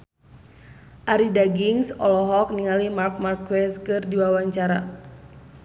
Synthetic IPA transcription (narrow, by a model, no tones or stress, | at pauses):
ʔaɾidaɡiŋsɔ̰lɔɦɔk̚niŋalimark̚markwɛskɨrdiwawaɲt͡ʃaɾa̰